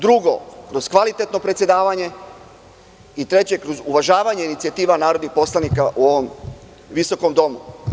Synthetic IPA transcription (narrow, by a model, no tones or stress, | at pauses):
d̪ɾuɡo̞̰kɾo̞zkʋalit̪et̪no̞pɾet̪sje̞d̪aːʋaɲe̞ | it̪ɾe̞t͡ɕe̞kɾozuʋaʒaːʋaɲe̞init̪siat̪iːʋanaːɾo̞d̪nixpo̞slˠanikaʔuo̞ʋo̞m | ʋiso̞ko̞md̪o̞mu